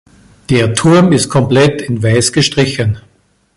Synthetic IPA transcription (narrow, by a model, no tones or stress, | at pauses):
d̥eːɐtʰʊɐmɪst̚kʰɔmplɛtɪnvaɪsɡ̥əʃtʁ̥ɪçən